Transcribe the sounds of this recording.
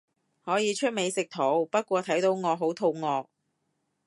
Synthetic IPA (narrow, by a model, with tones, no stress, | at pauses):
hɔː˨˥jiː˨˧t͡ʃʰɵ˥t̚me˨˧jsɪ˨k̚t̪ʰo˨˧˥wpɐ˥t̚kʷɔː˧t̪ʰɐ˨˥jt̪o˨˥wŋɔː˨˧ɦo˨˥wt̪ʰo˨˧wŋɔː˨˧k̚